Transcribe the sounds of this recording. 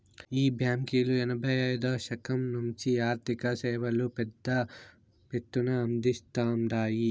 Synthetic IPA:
iːbjaːmkiːluɛnɐbʱɐjɐjd̪ɐːʃɐkɐmnumt͡ʃiaːɾt̪ʰikɐsɛːʋɐlupɛd̪ːɐ | pet̪ːunɐːnd̪ist̪aːmɾaːji

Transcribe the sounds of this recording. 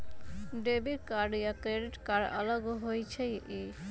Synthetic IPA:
ɖebiɾkaɾɖijakɾeɖiʈkaɾa̰lɔɡoɦojt͡ɕʰejʔe

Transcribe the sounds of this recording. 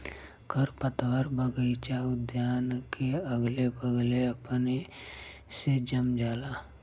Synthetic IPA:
kʰəɾpət̪ʋəɾbəɡəit͡ʃaːd̪ʱjaːnkeəɡlebəɡleəpne | sed͡ʒəmd͡ʒaːlaː

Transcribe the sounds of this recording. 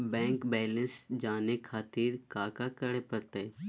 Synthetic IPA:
bɛ̃ːŋkbɛːlə̃nsd͡ʒaːnekʰaːt̪iːɾkaːkakəɽepɐɾt̪e

